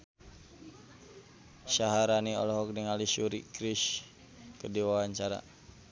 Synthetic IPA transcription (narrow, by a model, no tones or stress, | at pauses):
ʃaɦaɾaniɔ̰lɔɦɔk̚diŋaliʃuɾikɾiʃ | kədiwawaɲt͡ʃaɾa̰